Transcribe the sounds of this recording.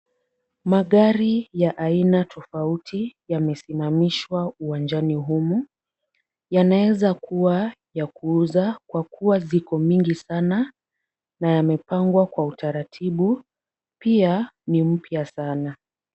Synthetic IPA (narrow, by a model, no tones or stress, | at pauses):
maɠaɾijaʔainatʰɔfautʰijamɛsimamiʃwauwand͡ʒaniɦumu | janaɛzakuwajakuːzakwakuwazikɔmiŋɡisana | najamɛpaŋɡwakwautaɾatʰiɓu | pianim̩pjasana